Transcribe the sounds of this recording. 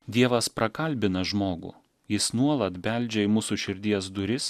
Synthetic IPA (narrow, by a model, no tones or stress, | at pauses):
d̪ʲiɛʋɐspɾɐkɐlʲbʲɪnɐʒmoːɡʊ̰ˑ | jɪsnuɔlˠɐt̪bʲɛˑlʲˑd͡ʒʲɛɪmʊːsʊʃʲɪɾʲd̪ʲiɛsd̪ʊɾʲɪs